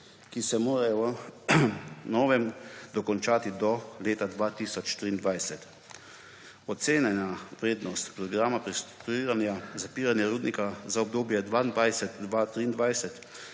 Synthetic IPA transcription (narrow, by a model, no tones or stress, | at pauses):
kisɛmoːɾajɔ | nɔːʋɛmd̪ɔkɔnt͡ʃaːt̪id̪ɔleːt̪ad̪ʋaːt̪iːsɔt͡ʃt̪ɾiːnd̪ʋajsɛt̪ | ɔt̪seːnanaʋɾeːd̪nɔst̪pɾɔɡɾaːmapɾisiːɾanjazapiːɾanjaɾuːd̪nikazaɔb̚d̪oːbjɛd̪ʋaːnd̪ʋajsɛt̪d̪ʋat̪ɾiːnd̪ʋajsɛt̪